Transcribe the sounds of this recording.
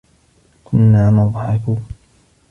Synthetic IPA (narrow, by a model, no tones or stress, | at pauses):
kʰʊnːaːmʊðˤħɑkuːn